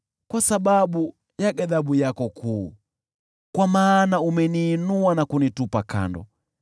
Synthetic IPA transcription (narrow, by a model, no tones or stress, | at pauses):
kwasaɓaɓu | jaɡaðaɓujakɔkuː | kwamaːnaumɛniːnuanakunitupaka̰ndɔ̰